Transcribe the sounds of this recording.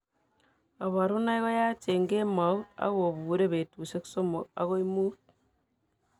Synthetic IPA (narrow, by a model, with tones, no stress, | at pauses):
a˨βa˨ɾu˦na˦i˦ɣo˦jaː˦t͡ʃe˨ŋɡe˦ma˨u˦ta̰˦ɣo˨βuː˨ɾe˦βe˨tu˨se˦kso˦mo˨a̰˦ɣo˦imuː˦t̚